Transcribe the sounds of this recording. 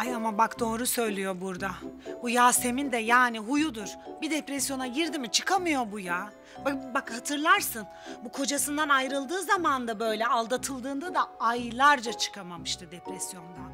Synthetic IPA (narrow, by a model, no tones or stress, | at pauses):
ajamabakd̪o̞ːɾusø̞jlʲijo̞buɾd̪abujaːse̞mind̪ɛjaːniɦujud̪uɾ̥bid̪ɛpɾɛsjo̞naɟiɾd̪imit͡ʃʰɯkʰamɯjo̞buja | babakhat̪ʰɯɾlˠaɾsɯn | bukʰo̞d͡ʒasɯnd̪anajɾɯlˠd̪ɯːzamand̪abø̞jlʲɛalˠd̪at̪ʰɯlˠd̪ɯːnd̪ad̪aajlˠaɾd͡ʒat͡ʃʰɯ̥kʰamamɯʃt̪ʰɯd̪ɛpɾɛsjo̞nd̪an